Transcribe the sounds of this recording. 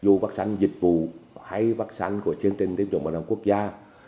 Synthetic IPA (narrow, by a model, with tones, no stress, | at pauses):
zu˧vaː˦˥sa̰˧˦ŋzi˨˩t̚vṵ˧˨ha˧jvaː˦˥k̚sa̰˧˦nku˧˩ət͡ɕɨ˧əŋt͡ɕi˧˩t̪i˧˦əŋ͡mt͡ɕṵ˧˨ɓa̰ː˧˨˩ɗa˨˧˩ŋku˦˥ək̚zaː˧